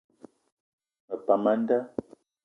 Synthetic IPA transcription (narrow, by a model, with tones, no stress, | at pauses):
mə˨pa˨ma˦n˦da˦